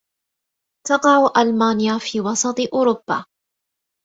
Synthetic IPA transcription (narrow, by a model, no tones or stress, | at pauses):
t̪ɑqɑʕuʔalmaːnɪjafiːwɑsˤɑt̪ˤʔʊːɾʊbːa̰ː